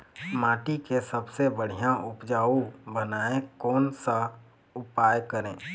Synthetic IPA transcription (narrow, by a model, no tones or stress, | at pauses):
maːʈikesəbsebəɽ̤ijãʔʊpd͡ʒaːubənaːẽkɔːnsa | ʊpaːjkəɾẽː